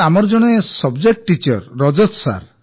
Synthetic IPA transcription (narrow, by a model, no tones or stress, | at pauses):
amɔɾd͡ʒɔɽ̃esɔbd͡ʒek̚ʈʈit͡ʃɔ̰ɾːɔd͡ʒɔt̪sa̰ɾ